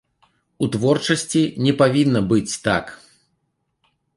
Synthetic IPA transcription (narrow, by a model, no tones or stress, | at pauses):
ut̪vɔrt͡ʂɐsʲt͡sʲinʲɛpavʲinːɐbɨt͡sʲt̪a̰k